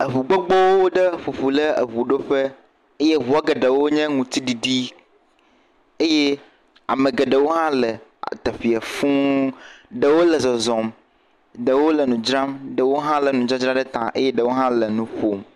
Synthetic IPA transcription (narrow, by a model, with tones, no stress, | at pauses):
ə˨βu˨ɡ͡bɔ˦ɡ͡bɔ˦wo˦wo˦ɖə˦ɸu˨ɸu˨lə˦ə̰˨βu˨ɖo˦ɸɛ˦ | e˦je˦βu˨a˦ɡe˨ɖə˨wo˦ɲɛ̃˦ŋũ˨t̪i˦ɖi˨ɖi˦ | e˦je˦ | a̰˨mə̃˨ɡe˨ɖə˨wo˦ɦã˦lə˨t̪ɛ˨ɸi˨a˨fũ˦ | ɖə˨wo˦lə˨zɔ˨zɔ˨m | ɖə˨wo˦lə˨nũ˨d͡ʒɾã˦mɖə˨wo˦ɦã˦lə˨nũ˨d͡ʒɾã˦d͡ʒɾã˦ɖə˦t̪ã̰˨ʔḛ˦je˦ɖə˨wo˦ɦã˦lə˨nũ˨ɸo˨m